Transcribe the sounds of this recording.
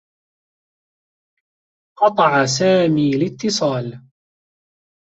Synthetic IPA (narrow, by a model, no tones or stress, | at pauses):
qɑt̪ˤɑʕasaːmiːlɪt̪ːɨsˤɑːl